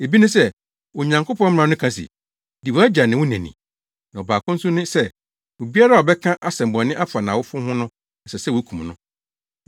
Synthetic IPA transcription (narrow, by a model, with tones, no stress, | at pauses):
e˨bi˦nʊ̃˦sɛ˦ | wo˨ɲã˨ŋkʊ˦pʰɔ̃˦m̩˦m˦ã˨˦nʊ̃˦kʰã˦sḭ˨ | di˨wɔ˨˦æ˦d͡ʑa˨nɪ̃˨wʊ̃˦nɛ̃˨nḭ̃˨ | nã˨ɔ˨baː˨kʰʊ̃˦n̩˦sʊ˦nɪ̃˦sɛ˦˨ | wo˨bi˦a˦ɾa˦˨wɔ˨bɛ˦kʰã˦ʔa˦sɛ̃˨m̩bɔ̃˨˦nɪ̃˦ʔa˦fa˨nã˨wʊ˦fʊ̃˦hʊ̃˦nʊ̃˦ | n̩˨sɛ˨sɛ˦wo˨˦kʰũ˨mnʊ̃˦